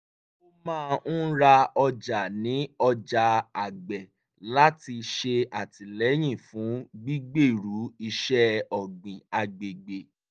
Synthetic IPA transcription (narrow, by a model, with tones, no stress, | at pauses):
o˦mãː˦˧ñ̩˦ɾa˧ɔ˧d͡ʒa˨nĩ˨˦ɔ˧d͡ʒa˨a˨ɡ͡bɛ˨ | la˦ti˧ʃe˧a˨ti˨lɛ˨˦j̃ĩ˦˨fũ˨˦ɡ͡bi˦ɡ͡be˦˨ɾu˨˦i˧ʃɛ˦ɔ˨ɡ͡bĩ˨a˨ɡ͡be˨ɡ͡be˨